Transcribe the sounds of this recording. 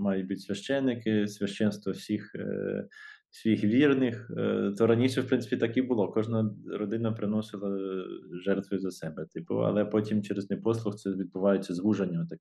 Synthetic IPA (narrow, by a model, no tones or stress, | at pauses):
mɑjʊt̚ʲbutʲsʲʋʲɐʃt͡ʃɛnːɪkɪsʲʋʲɐʃt͡ʃɛnst̪ʋɔwsʲix | sʲʋʲixʋʲirnɪxt̪ɔɾɐnʲiʃɛwpɾɪnɪ̥pʲit̪ɐkibʊlˠɔkɔʒnɐɾɔd̪ɪnɐpɾɪnɔsɪlˠɐʒɛrt̪ʋɐjʊzɐsɛbɛt̪ɪpʊ̰ɐ̰lˠɛpɔtʲimt͡ʃɛɾeznɛpɔslˠʊxt̪ɛʋʲid̪̚bʊʋɑjʊt͡sʲːɐzʋuʒɐnʲːɐt̪ɐkʲ